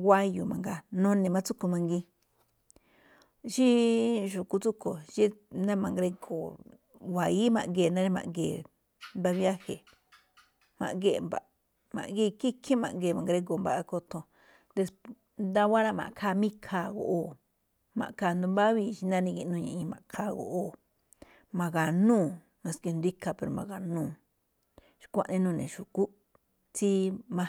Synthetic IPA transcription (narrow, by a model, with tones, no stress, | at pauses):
ɡa˦ju˨mã̰˨ŋɡa˧nõ˦nẽ˨˧mã˧t͡su˦ku˧mã˧ŋɡi˧ | ʃi˦ʒu˨ku˧t͡su˦ko˨ʒi˦nã˦mã˨ŋɡɾe˧ɡo˨ | wa˨i˦mã̰˨ɡe˧˨nã˦ɾi˦mã̰˨ʔɡḛː˨ | mba˧βja˦he˨ | mã̰˨ʔɡe˦˧˨mba̰˨ | mã̰˨ʔɡi˦˧ki˦kʰĩ˦mã̰˨ʔɡeː˧˨mã˨ɡɾe˧ko˨mba̰˧ʔa˧ko˧t̪õ˧ | d̪e˧s | nd̪a˦wa˦ɾa˦˧mã̰˨ʔkʰaː˧mĩ˦kʰa˧˨ɣo̰˨ʔo˦˧˨ | mã̰˨ka˧˨nd̪ũ˧mba˦βi˧t͡ʃi˧nã˦nĩ˧ɡe˧nũ˧ɲã˧˨ĩ˧mã˨kʰaː˧˨ɣo̰˨ʔo˦˨ | mã˧ɣa˨nũː˦˨ | mã˧ske˧nd̪i˦ka˧pe˧ɾo˨mã̰˧˨ɣa˨nũː˦˨ | ʃi̥˧kʷa̰˦ʔnĩ˦˧nũː˦˧˨nḛ̃˨ʃu˨ku˦ | t͡si˦mã˧